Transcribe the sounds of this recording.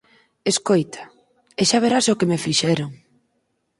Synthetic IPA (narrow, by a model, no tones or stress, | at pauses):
eskojt̪ʰḁ | eʃaβeɾasokemefiʃɛɾoŋ